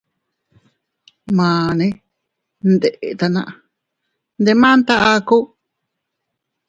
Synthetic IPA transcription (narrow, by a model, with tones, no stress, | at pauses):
mãː˨nẽ˧˦ | nd̪e˨ʔe˨t̪a˧nã̰˧ʔa˧ | nd̪e˧mã˦nt̪a˦ʔa˧ku˦